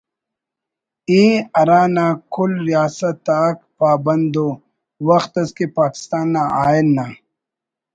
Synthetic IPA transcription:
eːɐɾaːnaːkʰʊlɾijaːsɐt̪aːkpaːbɐnd̪o | wɐxt̪ɐskepaːki̥st̪aːnːaʔaːjlːa

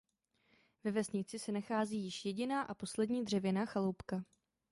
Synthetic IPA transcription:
vɛvɛsɲɪt͡sɪsɛnaxaːziːjɪʃjɛɟɪnaːʔapo̞slɛdɲiːdr̝ɛvjɛnaxalowpka

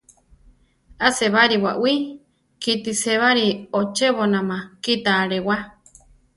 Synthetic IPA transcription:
aseβaɾiwaʔwi | kit̪iseβaɾiot͡ʃeβonãmãkit̪aɾewa

